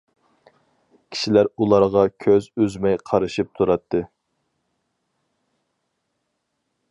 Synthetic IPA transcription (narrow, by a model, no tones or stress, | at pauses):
kʲʰi̥ʃilæɾulˠɑɾʁɑkʲʰøzøzmɛjqʰɑɾɨʃɨp̚t̪ʰuɾɑt̪ʰːɨ